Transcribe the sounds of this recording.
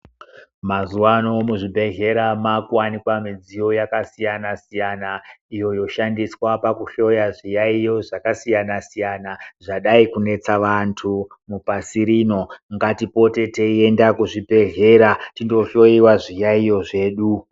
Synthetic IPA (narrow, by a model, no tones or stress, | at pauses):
mazuwano̞muʐibʱe̞ɮe̞ɾamakuwanikwamid͡zijo̞jakasijanasijanaijo̞jo̞ʃandiswapakuɬo̞jaʐijaijo̞ʐakasijanasijanaʐaɗaikune̞t͡saʋantʰu | mupasiɾiːno̞ŋɡatipo̞te̞teie̞ndakuʐibʱe̞ɮe̞ɾatindo̞ɬo̞iwaʐijaijo̞ʐe̞ːɗu